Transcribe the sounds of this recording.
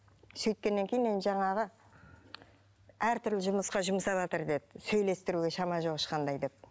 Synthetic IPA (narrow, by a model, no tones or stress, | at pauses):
sɵjt̪̚kʲe̞nːe̞ŋkʲʰe̞jɪnenʒɑɴɑʁə | æɾt̪ʰʏɾlɪʒʊməsqɑʒʊməsɑbɑt̪əɾd̪e̞d̪ɪsɵjle̞st̪ɪɾuɡʲe̞ʃɑmɑʒo̞ʁəʃqʰɑnd̪ɑjd̪e̞p̚